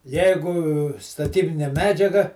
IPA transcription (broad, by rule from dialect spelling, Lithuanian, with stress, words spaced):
ˈjɛɪɡʊ stɐˈtʲiːbʲɪnʲeː ˈmʲæːd͡ʒʲɛɡɐ